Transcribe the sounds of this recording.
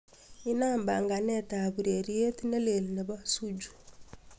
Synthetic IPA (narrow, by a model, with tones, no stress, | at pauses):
i˦na˦˨mba̰˨ŋɡa˨nɛ˦˨ta˨bu˨ɾe˨ɾi˦e˦ti˦ne˦le˨li˨ne˨ba˦su˦d͡ʒu̥˨